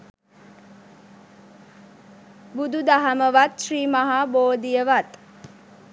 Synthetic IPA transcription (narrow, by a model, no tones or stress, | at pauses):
bud̪ud̪aɦaməʋat̪ʃriːmaɦaːboːd̪ijəʋat̪